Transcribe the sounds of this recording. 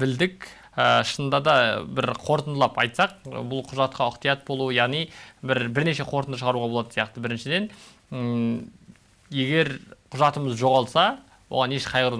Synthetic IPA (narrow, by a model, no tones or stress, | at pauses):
bɪld̪ɪk | əʃənd̪ɑd̪ɑbɪɾqʰo̞ɾt̪ənd̪lˠɑpɑ̰jt̪sɑq̚bʊlˠqʰʊʒɑt̪̚qɑʊqt̪ijɑt̪̚bo̞lˠuəjɑʁnijbɪɾbɪɾne̞ʃe̞qʰo̞ɾt̪ənd̪əʃəʁɑɾuʁɑbo̞lˠɑd̪əsijɑqt̪əbɪɾɪnʃɪd̪e̞n | je̞ɡʲe̞ɾqʰʊʒɑt̪əməzʒo̞ʁɑlˠsɑ | wo̰ʁɑne̞ʃqʰɑjʁəɾu